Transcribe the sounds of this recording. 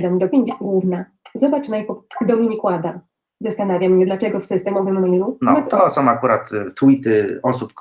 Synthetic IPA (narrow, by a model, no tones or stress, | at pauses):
d̪amd̪ɔpʲeɲʲd͡ʑɡwuvna | zɔbat͡ʂnajpɔd̪ɔmʲiɲikwad̪a | zast̪anavʲjamɲɛd̪lat͡ʂɛɡɔfsɘst̪ɛmɔvɘmːlunɔmasɔsɔ̃w̃akuɾat̪ːuit̪ɘɔsup